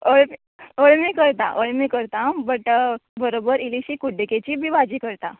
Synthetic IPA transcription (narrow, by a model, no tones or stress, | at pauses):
oɭmi | oɭmikəɾt̪a̰ʔəɭmikəɾt̪abəʈbəɾobəɾiliɕikuɖʱeket͡ɕiːbʱiːʋad͡ʑiːkəɾt̪a̰